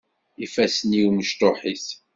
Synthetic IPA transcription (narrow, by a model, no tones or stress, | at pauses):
ifæsniuməʃt̪oħiθ